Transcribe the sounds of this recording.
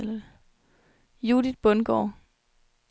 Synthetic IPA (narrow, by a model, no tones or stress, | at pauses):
lɐ | jud̥id̥̚b̥ɔ̽nɡ̥ɒ̰ː